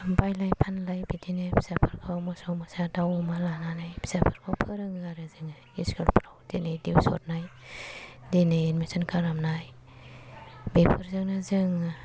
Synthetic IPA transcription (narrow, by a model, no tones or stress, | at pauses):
bajlajpʰanlajbidinabʰi̥sapʰaɾkʰawmɔsɔwmasadawmalananajbʰi̥sapʰɯɾkʰawpʰɯɾɯŋɡaɾazɯŋa | iskɯlpʰɾawdenajdiwsɔ̰t̚naj | denajenmisʰɔnkʰaɾamnaj | bepʰɯɾzɯŋnazɯŋ